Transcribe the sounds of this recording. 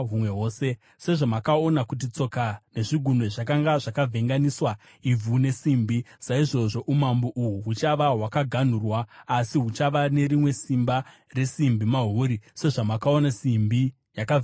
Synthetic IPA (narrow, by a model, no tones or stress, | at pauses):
ɦumwe̞ɦo̞ːse̞ | se̞ʐomakao̞nakut̬it͡so̞kane̞ʐiɡʱuneʐakaŋɡaʐakavʱe̞ŋɡaniswa | ib͡vune̞simbisaiʐo̞ʐo̞ʔumamboʔuɦuɦut͡ʃaʋaɦwakaɡʱan̤urwaːsiɦut͡ʃaʋane̞ɾimwe̞simba | re̞simbimaɦoɾise̞ʐamakao̞nasimbi | jaka